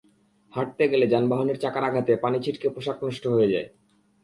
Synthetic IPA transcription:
haʈ̚t̪eɡeled͡ʑanbaɦoneɾt͡ɕakaɾaɡʱat̪epanit͡ɕʰiʈkepoʃaknɔʃʈoɦojed͡ʑa̰e

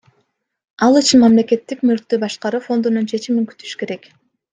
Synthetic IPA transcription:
ɑlˠit͡ʃinmɑmle̞ke̞t̪ːikmølk̚t̪øbɑʃqɑɾufo̞nd̪ununt͡ʃʰe̞t͡ʃimiŋky̥t̪ʰy̥ʃy̥ke̞ɾek

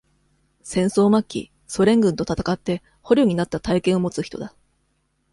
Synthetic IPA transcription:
sẽ̞ɰ̃so̞ːmakʲːḭ | so̞ɾẽ̞ŋɡɯ̟̃nt̪ot̪at̪ḁkat̪ːe̞ | ho̞ɾʲoːɲ̟inat̪ːat̪aikẽ̞ɰ̃o̞mo̞t͡sɨçi̥t̪o̞̰d̪a

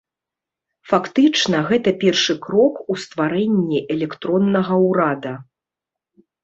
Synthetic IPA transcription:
fakt̪ɨt͡ʂnɐɣɛt̪ɐpʲɛrʂɨkɾɔkust̪vaɾɛnʲːiʔɛlʲɛkt̪ɾɔnːɐɣɐwɾad̪ɐ

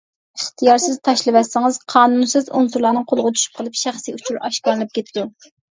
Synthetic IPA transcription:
əχt̪ʰijɑɾsɪzt̪ʰɑʃlˠɨwɛsːɪŋɨz̥qʰɑːnunsɨzṵnsuɾlˠɑnɨŋqʰolˠʁʊt̪ʰy̥ʃy̥p̚qəlˠɨpʃæχsɨut͡ʃʰuɾɑʃkɑɾɨlˠɨp̚kʲʰet̪ʰɪd̪u

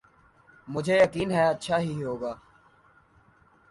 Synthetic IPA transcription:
mʊd͡ʒʱeːjəkiːnɦɛətːʃʰaːɦiːɦoːɡaː

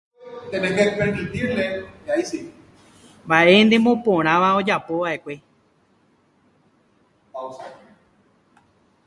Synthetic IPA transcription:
t̪ẽnẽɡepeɳɖit̪iɾleajsi | mbaʔend̪ẽmõpõɾ̃ãʋao̞d͡ʒapoʋaʔe̞kʷe̞ | ausa

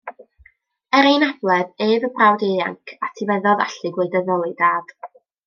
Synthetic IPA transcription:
ɛɾejnablˠɛðeːðəbrawdea̰ŋkʰatʰivɛðɔða̰ɬɨɡlʊɨdəðɔlˠɨdaːd̥

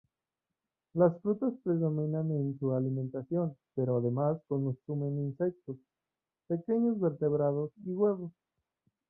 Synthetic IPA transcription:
lasfɾut̪aspɾe̞ðo̞mĩnanensualimẽnt̪asjo̞npe̞ɾoaðe̞masko̞nsume̞ninse̞k̚t̪o̞s | pe̞ke̞ɲo̞zβe̞ɾt̪e̞βɾaðo̞siɣwe̞βo̞s

